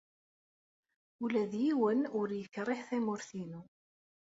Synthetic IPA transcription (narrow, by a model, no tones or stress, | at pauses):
ulæðjiwənʊɾjəkːrˤɪħθæmʊɾθinu